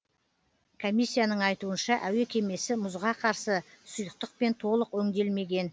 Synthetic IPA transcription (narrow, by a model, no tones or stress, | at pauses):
kʰo̞mʲijsːijanəɴɑjt̪uənʃɑʔæwe̞kʲʰe̞me̞sɪmʊzʁɑqʰɑɾsəsʊjəq̚t̪əq̚pe̞nt̪ʰo̞lˠəqwɵŋd̪e̞lme̞ɡʲe̞n